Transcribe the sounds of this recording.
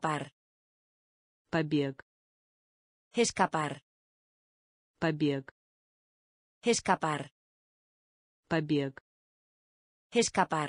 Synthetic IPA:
paɾ | pabe | eskapaɾ | abek | eskapaɾ | pabek | eskapa

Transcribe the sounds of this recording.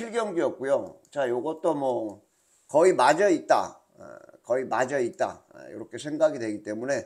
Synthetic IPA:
iɭɡjʌŋɡiʌt̚k͈ujot͡ɕajoɡʌt͈omwʌ | kʌimad͡ʑʌit̚t͈a̰ | kʌimad͡ʑʌit̚t͈a̰jo̰ɾʌkʰe̞sʰe̞ŋɡaɡidwe̞ɡit͈e̞mune̞

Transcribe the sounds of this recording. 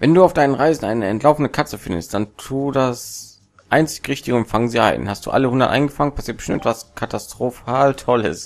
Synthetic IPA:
vɛnduːaʊfd̥aɪnənʁaɪzn̩ʔaɪnəɛntlaʊfn̩dəkʰat͡səfɪndə̰st̚d̥antʰuːdas | ʔaɪnt͡sɪ̥çʁɪçtɪɡəʊntfaŋəziːʔa̰ɪnhast̚d̥ṵːʔa̰ləhʊndɐtʔa̰ɪnɡəfaŋənpʰasiːɐtb̥əʃtɪmɛtvaskʰatastʁ̥ofaːltʰɔlɪ̰s

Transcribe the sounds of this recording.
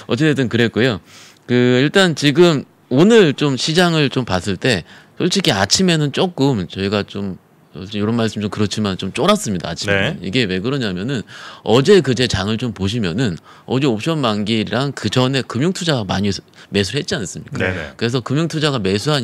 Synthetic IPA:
ʌt͡ɕ͈e̞t͈ʰːetɯnkɯɾe̞t̚k͈ujo | kɯiɭt͈ant͡ɕiɡɯm | onɯɭt͡ɕomɕʰid͡ʑaŋɯɭt͡ɕompas͈ɯɭt͈e̞sʰʌɭt͡ɕ͈ikʰiat͡ɕʰime̞nɯnt͡ɕ͈ok͈ɯmt͡ɕʌiɡat͡ɕom | sʌsʰɕijoɾʌnmaɭs͈ɯmt͡ɕomkɯɾʌt͡ɕʰimant͡ɕomt͡ɕ͈oɾas͈ɯmɲidaːt͡ɕʰinmeniɡe̞we̞ɡɯɾʌɲamjʌnɯnʌd͡ʑe̞kɯd͡ʑe̞t͡ɕaŋɯɭt͡ɕompoɕ̬ʰimjʌnɯn | ʌd͡ʑeop̚ɕ͈ʰʌnmaŋɡiɾiɾaŋkɯd͡ʑʌne̞kɯmjuŋtʰud͡ʑaɡama̰ɲime̞s̬ʰuhet̚t͡ɕ͈ians͈ɯmɲikk͈akɯɾe̞s̬ʰʌkɯmjuŋtʰud͡ʑaɡame̞sʰuɦa

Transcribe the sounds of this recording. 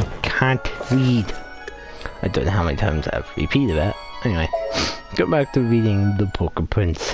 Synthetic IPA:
kʰæ̃nʔɹid | aɪdõʊnohaʊmɛ̃nitʰãɪ̃mz̥aɪ̰vɹɨ̰pʰiɾɨɾæt̚ | ʔɛniweɪɡ̥oʊbæk̚tʰɨɹiɾɪ̃ŋðəbʰʊkəpʰɹ̥ɪ̃nts

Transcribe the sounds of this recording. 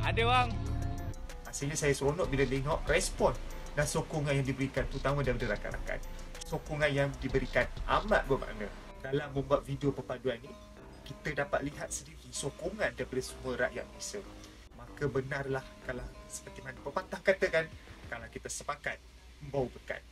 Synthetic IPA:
adəwaŋ | asilɲasajasonɔʔ̚biladeŋaʔrɛspɔn | dansokɔŋanjaŋdibəɾikant̪ut̪amə̃dajpadəɾaka̰ɾʔa̰ka̰nsokɔŋãnjaŋdibəɾikanama̰ʔ̪̚bəma̰ʔna | dalamːə̃mbuat̪̚fideopərpaduanːi | kit̪ədapa̰t̪̚liɦat̪̚sədiɾisokoŋãndaipadəsəmũəɾa̰ʔja̰ʔ̪̚bisə | makəbənarlahkalasə̥pərt̪imanapəpat̪ahkat̪əkankalawkit̪əsəpakat̪̚ | məmbawbəka̰n̚

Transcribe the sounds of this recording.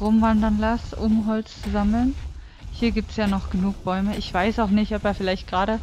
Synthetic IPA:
ʁoːmvandɐnlasʔʊmɦɔlt͡st͡suzaml̩n | hiːɐɡiːp̚tsjaːnɔχɡ̥ənuːk̚b̥ɔʏməʔɪçv̥aɪsaʊxnɪçtɔpeːɐfɪlaɪçt̚ɡ̥ʁaːɾə

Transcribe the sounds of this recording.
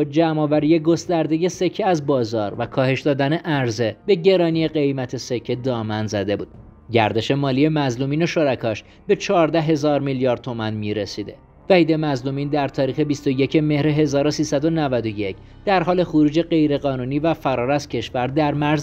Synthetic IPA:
d͡ʒæmɒːvæɾijeɡo̞st̪æɾd̪e̞je̞se̞cʰːeæzbɒːzɒ̰ːɾvækʰɒːhe̞ʃd̪ɒːd̪æne̞ʔæɾze̞be̞ɟe̞ɾɒːnije̞ɢe̞jmæt̪ʰe̞secʰːed̪ɒːmænzæd̪e̞bṵːd̪̥ | ɟæɾd̪e̞ʃe̞mɒːlije̞mæzlumiːno̞ʃo̞ɾækʰɒʃ | be̞t͡ʃʰɒːɾd̪æɦe̞zɒːɾmiljɒːɾd̪̚t̪ʰo̞mænmiɾesid̪e̞̰ | væhiːd̪e̞mæzlumiːnd̪æɾt̪ʰɒːɾiːxe̞bist̪o̞je̞cʰe̞me̞hɾeɦe̞zɒːɾo̞siːsæd̪o̞nævæd̪o̞je̞cʰ | d̪̥æɾɦɒːle̞xoɾuːd͡ʒe̞ɢe̞jɾe̞ɣɒːnuːniːvæfæɾɒːɾæz̥cʰe̞ʃvæɾd̪æɾmæɾz

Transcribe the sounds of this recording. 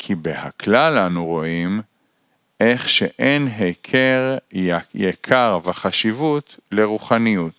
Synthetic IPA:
kʰibeha̰klalanuʁo̞im | ʔeχʃeʔenɦekʰeʁjekʰaʁveχaʃivut̪leʁuχanijut̪

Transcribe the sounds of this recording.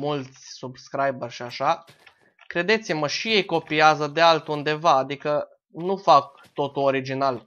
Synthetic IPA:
mult̪sʲsubskɾajbərʲʃiaʃa | kɾe̞d̪e̞t̪siməʃije̞jko̞piazəd̪e̞alt̪und̪e̞vaːd̪ikə | nufak̚ | t̪o̞t̪uoɾid͡ʒinal

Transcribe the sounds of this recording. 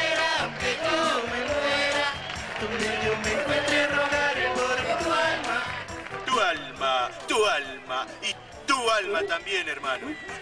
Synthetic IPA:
aket̪umeweɾa | t̪omeomeŋkwent̪ɾeroɣaɾepoɾt̪ualmat̪ualmat̪ualma | i | t̪ualmat̪ambjeneɾmãno

